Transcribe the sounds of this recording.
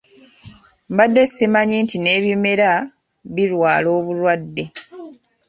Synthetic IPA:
mbadːe̞simaɲiːntine̞ːβjime̞ɾa | βiɾwaːlo̞ːβulwadːe̞

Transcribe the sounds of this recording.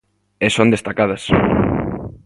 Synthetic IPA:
esond̪est̪akaðɐs

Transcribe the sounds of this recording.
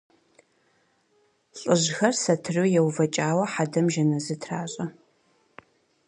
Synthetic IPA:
ɬʼɨʑxɐrsɐtʰɨrɨwjɛwvɐt͡ʃʼaːwɐħadɐmʒɐnɐzɨtʰraːɕʼɐ

